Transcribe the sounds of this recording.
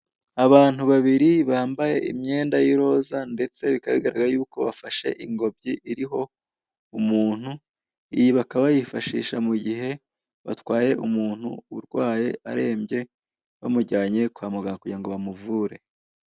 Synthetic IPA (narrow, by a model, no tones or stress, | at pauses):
aβaːn̥huβaβiɾiβaːmbaje̞ʔḭmɲe̞ːndajiɾo̞ːzande̞t͡se̞βikaβiɡaɾaɡajuːko̞βa̰faʃe̞̰ʔiŋɡo̞b̚ɟiʔiɾiɦo̞ | umuːn̥hu | ijiβakaβajifaʃḭːʃamuɟiɦe̞ | βa̰twaːje̞ʔumuːn̥hṵuɾɡwaːje̞ʔaɾe̞ːmjɟe̞ | βamuɟaːɲe̞kwaːmuɡaŋakuɟaŋɡoβamuvuːɾe̞